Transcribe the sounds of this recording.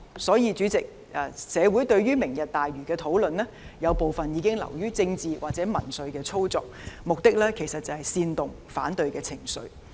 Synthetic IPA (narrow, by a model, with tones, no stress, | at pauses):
sɔː˨˥jiː˨˧t͡ʃyː˨˥t͡sɪ˨k̚ | ʔɛː˨˩sɛː˨˧wu˨˥jt̪ɵ˧ɥɥyː˥mɪ˨˩ŋjɐ˨t̚t̪aː˨jɥyː˨˩kɛː˧t̪ʰo˨˥wlɵ˨nlɛ˥jɐ˨˧wpo˨˧wfɐ˨njiː˨˧kɪ˥ŋlɐ̰˨˩wjyː˥t͡sɪ˧ŋt͡siː˨wa̰ː˨k̚t͡sɛː˨˥mɐ˨˩nsɵ˨˧ɥkɛː˧t͡sʰo˥wt͡sɔ̰ː˨k̚mʊ˨k̚t̪ɪ˥k̚lɛː˥kʰe˨˩sɐ˨t̚t͡sɐ˨˩hɐ˨jsiː˧nt̪ʊ˨ŋ | fa̰ː˨˥nt̪ɵ˨˧ɥkɛː˧t͡sʰɪ˨˩ŋsɵ̰˨˧ɥ